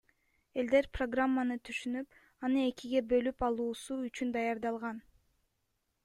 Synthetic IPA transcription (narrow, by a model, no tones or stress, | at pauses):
e̞ld̪e̞ɾpro̞ɡramːanɯt̪ʰyʃynyp | ɑnɯe̞kiɡe̞bø̞lypɑlˠuːsuyt͡ʃynd̪ɑjɑɾd̪ɑlˠʁɑn